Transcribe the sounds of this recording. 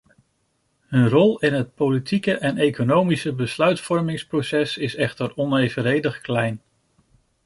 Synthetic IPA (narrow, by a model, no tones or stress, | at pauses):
ɦɵnrɔlˠɪnɦət̚powlitʰikəʔɛnejkonowmisəbəslœɥtfɔɹmɪŋsprowsɛsɪsɛχtəɹɔnejvəɾejdəχklɛjn